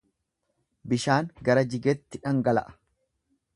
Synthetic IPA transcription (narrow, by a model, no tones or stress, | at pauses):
bɪʃaːŋɡɐɾɐd͡ʒɪɡɛt̪ːɪᶑɐŋɡɐlɐ̰ʔɐ̥